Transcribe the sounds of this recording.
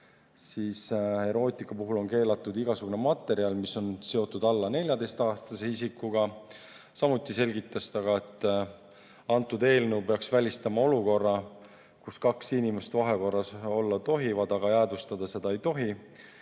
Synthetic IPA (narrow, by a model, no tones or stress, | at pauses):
siːshe̞ɾo̞ːt̪ˑikːɑpuɦulo̞nke̞ːlɑt̪ːˑud̪iɡ̥ɑsuɡ̥une̞mɑt̪ːˑe̞ɾiɑlmiso̞nse̞o̞t̪ːˑud̪̥ɑlːɑne̞lʲjɑd̪e̞jst̪ɑːst̪ɑseis̬ikːuɡɑ | sɑmut̪ːˑise̞lʲɡit̪ːˑɑst̪ɑɡ̥ɑe̞t̪ːˑ | ɑnt̪ːˑud̪e̞ːlnwpe̞ɑksvælʲist̪ɑmɑo̞luko̞rːɑ | kuskɑksinʲime̞st̪vɑɦe̞ko̞rːɑso̞lːɑt̪o̞ɦivɑd̪ɑɡ̥ɑjæːd̪ust̪ɑd̪̥ɑse̞d̪ɑe̞jt̪o̞ɦi